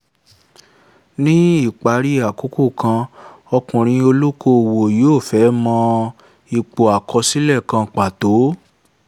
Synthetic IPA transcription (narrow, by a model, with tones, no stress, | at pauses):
nĩ˦i˦˨k͡pa˨˦ɾi˦a˨ku˨˦ku˦˨kã˧ | ɔ˧kũ˨ɾ̃ĩ˧o˧lu˦ko˧˨wo˨joː˦˨fɛ˨˦mɔ̃˧ | i˧k͡po˨a˨kɔ˧si˦lɛ˦˨kã˧k͡pa˨to˨˦